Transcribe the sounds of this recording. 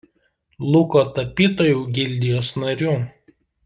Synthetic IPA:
lˠʊkoːt̪ɐpʲiːt̪oːjuːɡʲɪlʲd̪ʲɪjoːsnɐɾʲuː

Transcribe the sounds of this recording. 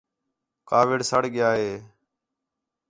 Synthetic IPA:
kaːʋɪɽsəɽɠɪjaːɦeː

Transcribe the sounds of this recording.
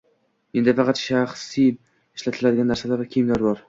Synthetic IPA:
end̪ɪfɑqʰɑt̪ʃaχsi | ɪʃlat̪ʰɪlad̪ɪɡʲanːaɾsalaɾvakʲʰejmlaɾbɒɾ

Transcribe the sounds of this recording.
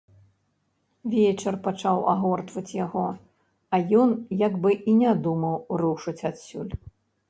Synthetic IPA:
vʲɛt͡ʂɛrpat͡ʂawʔa̰ɣɔrt̪vɐt͡sʲjaɣɔ | ɐjɔnjaɡbɨʔinʲad̪umɐwruʂɨt͡sʲat̪sʲulʲ

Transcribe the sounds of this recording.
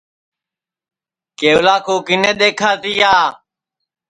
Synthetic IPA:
keːʊlaːkoːkɪnẽːɗ̪eːkʰaːt̪iːaː

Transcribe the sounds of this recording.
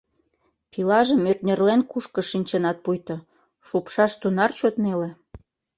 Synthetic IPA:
pilɑʒəmørt̪nʲerlenkuʃkə̆ʃinʲt͡ɕenɑt̪̚pujt̪o | ʃupʃɑʃt̪unɑrt͡ɕot̪nele

